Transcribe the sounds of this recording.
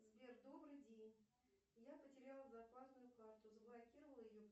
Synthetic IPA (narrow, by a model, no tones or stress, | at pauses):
zbʲerd̪o̞bɾɨjdʲenʲ | japətʲɪɾʲalˠəzapasnʊjʊkart̪ʊzəblˠɐkʲiɾəvəlˠjɪjo